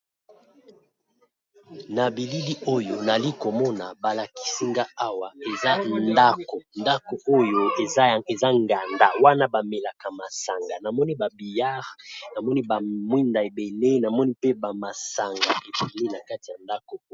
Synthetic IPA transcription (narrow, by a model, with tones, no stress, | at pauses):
na˨bi˨li˦li˦o˦jo˨na˨li˦ko˨mɔ˦na˨ba˨la˨ki̥˨si˦ŋɡa˦a˦wa˨e˨za˦nda˦ko˨nda˦ko˨o˦jo˦e˨za˦˨e˨za˦ŋɡa˨nda˦˨wa˦na˦ba˨me˨la˨ka˨ma˨sa˨ŋɡa˨na˨mɔ˦ni˦ba˨bi˨ja˦ʁna˨mɔ˦ni˦ba˨mwi˦nda˨e˨be˨le˦na˨mɔ˦ni˦pe˦ba˨ma˨sa˨ŋɡa˨ʔe˨be˨le˦na˨ka˦ti˨a˨nda˦ko˨